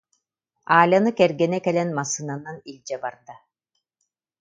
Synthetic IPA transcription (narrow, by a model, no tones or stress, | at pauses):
aːlʲanɯkɛɾɡɛnɛkɛlɛnmasːɯnananilʲd͡ʒɛbaɾd̪a